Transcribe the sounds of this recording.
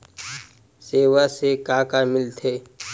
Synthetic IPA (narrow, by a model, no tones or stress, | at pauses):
seːwasekaːkamɪlt̪ʰeː